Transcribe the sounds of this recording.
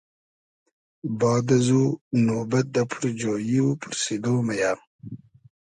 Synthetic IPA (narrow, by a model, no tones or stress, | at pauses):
bɑːd̪ɐzuːnoːbɐt̪̚d̪apʰuɾd͡ʒoːjiupʰʊɾsid̪oːmajaː